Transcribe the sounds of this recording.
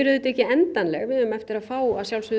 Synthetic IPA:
ɪɾʏðɪt̪ɛhcːɪɛnt̪anlɛ̰ɣvɪðʏʏmɛft̪ɪɾaðfaːwaðsjawlsʏ

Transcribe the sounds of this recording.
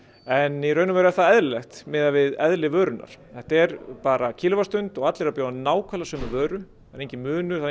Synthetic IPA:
ɛniɾœːɥnʏmvɛɾaθaðɛðlɪlɛxt̪mɪːðavɪðɛðlɪvœːɾʏnːa̰ɾ̥θɛht̪aɛɾpaːɾacʰɪlvast̪ʏnt̪ɔɣat̪lɛɾapjaːwnaːwkʰvalasœːmʏvœːɾʏ | aɾejɲcɪmʏːnʏ̥θa

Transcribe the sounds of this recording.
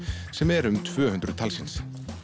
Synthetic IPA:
sɛmɛɾʏmt̪ʰv̥œːhʏnt̪ɾʏt̪ʰalsins

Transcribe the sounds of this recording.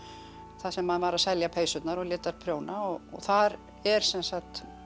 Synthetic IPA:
θasɛmːaðvaɾaðsɛljapʰejsʏt̪naɾɔɣlɪːt̪aɾ̥pʰɾjoːwnaɔɔ̰ɣθaɾ | ɛɾ̥sɛnsaxt̪

